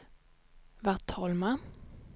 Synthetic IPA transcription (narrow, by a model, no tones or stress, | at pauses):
vaʁt̪ʰːɔːlman